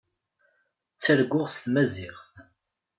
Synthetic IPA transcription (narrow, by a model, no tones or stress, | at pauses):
t͡sːæɾɡʷːʊʁst̪mæziʁθ